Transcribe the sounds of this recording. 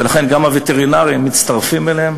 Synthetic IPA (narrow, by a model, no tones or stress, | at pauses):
velaχe̞nɡamavet̪eʁinaʁiimːit̪t͡st̪aʁfimelehem